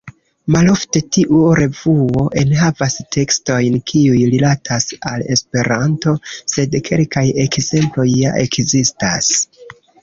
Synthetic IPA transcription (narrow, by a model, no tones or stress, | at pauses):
malo̞fte̞tiʔuɾe̞vuo̞ʔe̞nɦavastʰe̞ksto̞jnkʰiujɾilatʰasa̰le̞̰spe̞ɾanto̞se̞dkʰe̞lkaje̞kze̞mplo̞jːa̰ʔe̞kzista̰s